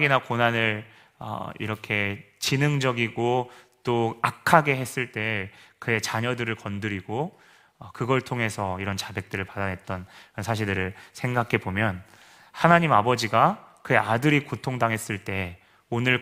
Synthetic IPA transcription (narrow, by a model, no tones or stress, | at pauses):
ɡinakonanɯɾ | ʌ̰ḭɾʌkʰe̞ | t͡ɕinɯŋd͡ʑʌɡiɡot͈oakʰaɡe̞ɦe̞s͈ɯɭt͈e̞kɯe̞t͡ɕaɲʌdɯɾɯɭkʌndɯɾiɡo | ʌkɯɡʌɭtʰoŋɦe̞sʰʌiɾʌnt͡ɕabe̞k̚t͈ɯɾɯɭpadanɦe̞t̚t͈ʌnʌnsʰaɕ̬ʰiɭdɯɾɯɭsʰe̞ŋɡakʰe̞bomjʌn | hanaɲimabʌd͡ʑiɡakɯe̞adɯɾikotʰoŋdaŋɦe̞s͈ɯɭt͈e̞ | onɯɭ